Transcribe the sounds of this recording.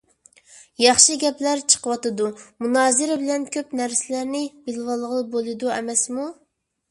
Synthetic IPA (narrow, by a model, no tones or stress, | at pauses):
jɑχʃɨɡʲɛplæɾt͡ʃʰə̥qʰəwɑt̪ɨd̪umunɑːzɨɾɪbɪlɛnkʲʰøpnæɾsɪlæɾnɪbɪlwɑlˠːəʁəlˠbolˠɨd̪uɛmɛsmu